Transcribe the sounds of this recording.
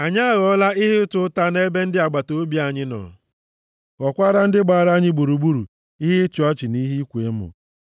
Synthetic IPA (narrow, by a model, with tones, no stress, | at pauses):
a˨ɲa˦˨ɣɔ˦la˦ɪ˦ɦɪ˦ʊ˦tʊ˦ta˦ne˦be˦n̩˦dɪ˦a˨ɡ͡ba˨to˦bi˦a˨ɲɪ˦nɔ̰˨ | ɔ˨kʷa˦ɾa˦n̩˦dɪ˦ɡ͡ba˨ɾa˦ɲɪ˦ɡ͡bu˨ɾu˨ɡ͡bu˦ɾu˨ | i˦ɦɪ˦t͡ʃɪ˨ɔ˦t͡ʃɪ˨ni˦ɦi˦kʷe˨˦mʊ̰˨